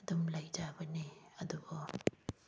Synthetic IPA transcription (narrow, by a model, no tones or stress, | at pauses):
dumlajd͡ʒabəniɐduɡɔ